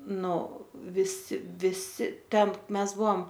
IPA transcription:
ˈnʊ ʋʲɪˈsʲɪ ʋʲɪˈsʲɪ ˈtʲɛn ˈmʲɛs ˈbuɔm

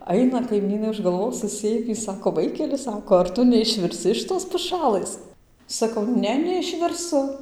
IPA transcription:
ˈɐɪnɐ kɐɪˈmʲiːnɐɪ ʊʃ ɡɐlˠˈʋoːs sʊˈsʲeːmʲiː ˈsɑːkoː ˈʋɐɪkʲɛlʲɪ ˈsɑːkoː ɐr ˈtʊ nʲɛɪʃʲʋʲɪrʲˈsʲɪ ɪʃ ˈtoːs pʊˈʃɑːlˠɘs sɐˈkɐʊ ˈnʲɛ nʲɛɪʃʲʋʲɪrˈsʊ

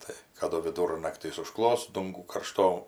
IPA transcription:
ˈtɐɪ kɐˈdʊ ʋʲɪˈdʊrnɐktʲiːs ʊˈʃklˠoːs ˈdʊŋɡuː kɐrˈʃtoː

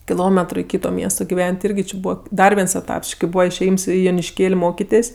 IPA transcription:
kʲɪˈlˠoːmʲɛtrʊ ɪ ˈkʲiːtoː ˈmʲiɛstoː ɡʲɪˈʋʲɛnʲtʲ ˈɪrʲɡʲɪ t͡ʃʲɪ ˈbuːʋɐ ˈdɐr ʋʲiɛns ɛˈtɐps ˈt͡ʃʲɪ kɐɪ ˈbuːʋɐ ɪʃʲeːˈjiːms ɪ joːnʲɪʃʲˈkʲeːlʲ ˈmoːkʲɪtʲeːsʲ

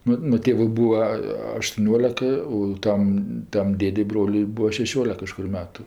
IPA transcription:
ˈnʊ nʊ ˈtʲeːʋʊɪ ˈbuːʋɐ ɐʃtʊˈnʲoːlʲɛk oː ˈtɐm tɐm ˈdʲeːdʲɛɪ ˈbroːlʲʊɪ ˈbuːɐ ʃʲɛˈʃʲoːlʲɛk kɐʃˈkʊr ˈmʲæːtʊ

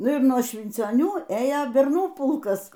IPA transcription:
ˈnʊ ɪr nuɔ ʃʲʋʲɪnʲt͡sʲoːˈnʲuː ˈeːjoː bʲɛrˈnuː ˈpʊlˠkɐs

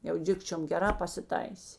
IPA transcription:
jɛʊ ˈdʲɪkt͡ʃʲoːm ɡʲɛˈrɑː pɐsʲɪˈtɐɪsʲeː

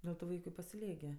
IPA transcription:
ˈdʲɛlˠ tʊ ˈʋɐɪkʊ ɪ pɐsʲɪˈlʲiɛk ɡʲɪ

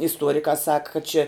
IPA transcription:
ɪsˈtuɔrʲɪkɑː sɐk kɐt t͡ʃʲɛ

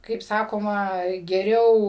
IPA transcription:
kɐɪp ˈsɑːkoːmɐ ɡʲɛˈrʲɛʊ

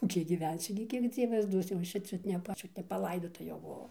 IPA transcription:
ˈkʲiɛk ɡʲɪˈʋʲɛnʲsʲʊ ɡʲɪ ˈkʲiɛk ˈd͡zʲiɛʋɐs ˈduɔs jɛʊ ˈɐʃ t͡ʃʲɛ ˈt͡ʃʲʊt ˈt͡ʃʲʊt nʲɛpɐˈlˠɐɪdoːtɐ jɛʊ bʊˈʋɐʊ

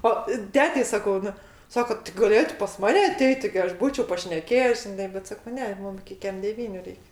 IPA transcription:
ˈoː ˈtʲæːtʲɛɪ sɐˈkɐʊ ˈnʊ ˈsɑːkoː tʲɪ ɡɐˈlʲeːtʊ pɐs ˈmɑːnʲɛ ɐˈtʲɛɪtʲ tʲɪɡʲɪ ˈɐʃ ˈbuːt͡ʃʲɛʊ pɐʃʲnʲɛˈkʲeːjɛs ʒʲɪˈnɐɪ bʲɛt ˈsɑːkoː ˈnʲɛ ˈmʊm ɪkʲɪ ˈkʲɛm dʲɛˈʋʲiːnʲʊ ˈrʲɛɪkʲ

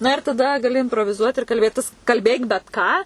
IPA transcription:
ˈnɐ ɪr tɐˈdɐ ɡɐˈlʲɪ ɪnproːʋʲɪˈzuɔt ɪr kɐlʲˈbʲeːtʲɪs kɐlʲˈbʲeːk bʲɛt ˈkɑː

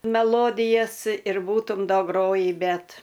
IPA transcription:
mʲɛˈlˠoːdʲɪjɛs ɪr ˈbuːtʊm dɐ ˈɡroːjiː ˈbʲɛt

